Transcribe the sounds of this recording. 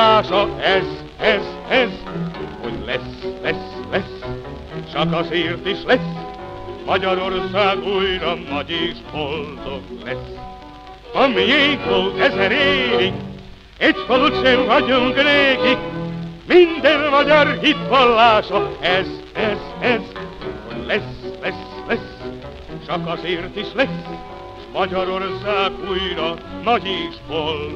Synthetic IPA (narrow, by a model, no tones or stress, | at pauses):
aːʃɒɛz | ɛz | ɛz | ho̰ɟlɛslɛslɛs | t͡ʃɒkɒsiːrt̪iʃlɛs | mɒɟɒɾo̞rsaːɡujɾɒnːɒɟeːʃpolt̪oklɛs | ɒmieːk̪volt̪ɛzɛɾeːvi | ɛɟfolut͡ʃenvɒɟoŋkneːɡi | mind̪ɛnmɒɟɒrɦit̪holːaːʃɒɛz | ɛzɛzholɛslɛslɛs | t͡ʃɒkɒzeːrt̪iʃlɛs | ʃmɒɟɒɾorsaːɡujɾɒnɒɟeːʃpol